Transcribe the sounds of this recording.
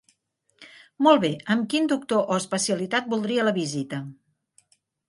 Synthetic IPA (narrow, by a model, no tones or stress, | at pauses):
molˠβeəmkind̪uk̚t̪oʔoəspəsiəlit̪at̪̚bulˠd̪ɾiələβizit̪ə